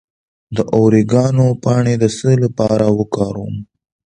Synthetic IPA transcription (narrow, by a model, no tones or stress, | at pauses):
d̪əʔowɾeɡɑnopɑɳed̪əsəlapɑɾawəkɑɾum